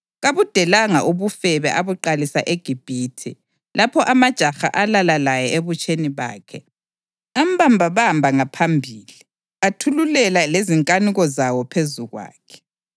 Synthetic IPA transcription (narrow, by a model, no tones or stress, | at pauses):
ɣaβud̥ʱɛlaŋaʔoβufɛβɛʔaβuǃalisa̰ʔeɡ̥ʱib̥ʱiːtʰḭ | lapʰɔʔamad̥ʒ̥ʱaxa̰ʔalalalajɛʔeβut͡ʃʼeniβa̰ːkʰɛ | am̩bambʱaβambʱaŋapʰambʱiːli | atʰululɛlaleziŋkʼaniɣɔzawɔpʰezuɣwa̰ːkʰɛ̥